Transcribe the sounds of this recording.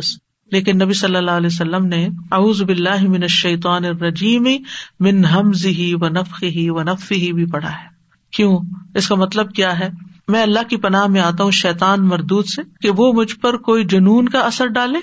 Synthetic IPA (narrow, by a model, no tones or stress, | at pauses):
s | leːkɪnːɐbisɐlːəlːaːɦɐlɛːs̬ɐlːəmneɐuːzbɪlːaːɦɪmɪnɐʃːɐjt̪̬aːnɪrːɐd͡ʒiːmimɪnɦɐmzɪɦiʋɐnɐfxɪɦiʋɐnɐffiɦibʱipɐɽ̤a̰ɦɛː | kjõːɪskamɐt̪ləb̚kjaːɦɛː | mɛ̃ːɐlːaɦkipɐnaːɦmẽaːt̪aɦũʃɛːt̪aːnmɐɾd̪uːd̪sekeʋoːmʊd͡ʒʱpɐɾkoːid͡ʒʊnuːnkaɐsəɾɖaːlẽː